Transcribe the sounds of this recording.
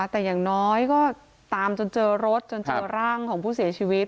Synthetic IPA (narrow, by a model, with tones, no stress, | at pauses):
t̪ɛː˨˩jaː˨˩ŋnɔː˦˥jkɔː˥˩ | t̪aː˧mt͡ɕo˧nt͡ɕɤː˧ɾo˦˥t̪̚t͡ɕo˧nt͡ɕɤ˧ɾaː˥˩ŋkʰɔː˩˦ŋpʰuː˥˩si˩˦ɐt͡ɕʰiː˧wi˦˥t̪̚